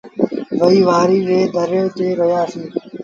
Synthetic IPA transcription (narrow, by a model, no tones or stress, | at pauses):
ʋəiːʋaːɾiːɾeːd̪ʱəɾeːt̪eːɾəjaːsiː